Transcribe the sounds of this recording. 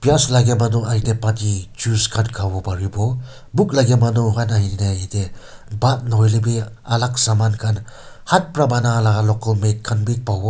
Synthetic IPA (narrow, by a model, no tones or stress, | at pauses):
pijaslaɡemanuajdepatid͡ʒuskʰankʰabɔbaɾibɔ | buk̚laɡemanuɦanahininajaidebat̚nɔjlebi | alak̚samankʰan | hat̚pɾabanalaɡalɔkalmekʰːanbipawɔ